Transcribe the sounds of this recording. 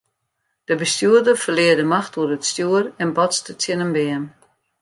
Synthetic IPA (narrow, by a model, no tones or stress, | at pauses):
d̥əbəstjuərdərfərlɪədəmaxtuədətstjuərɛnbɔtsdətʰjɪnəmbɛən